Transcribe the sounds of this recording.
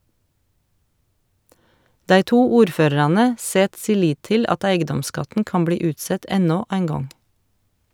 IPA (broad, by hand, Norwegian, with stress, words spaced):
ˈdæɪ ˈtuː ˈuːɾˌføːɾɑɾɑnə ˈseːt ˈsiː ˈliːt ˈtɪl ˈɑt ˈæɪɡədɔmˌskɑtən ˈkɑːn ˈbliː ˈʉːtˌsɛt ˈɛnoː ˈæɪn ˈɡɔŋ